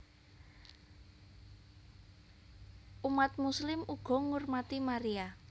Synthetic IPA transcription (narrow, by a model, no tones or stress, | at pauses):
ʔumat̪̚muslɪmuɡ̥ɔ̤ŋʊrmat̪imaɾija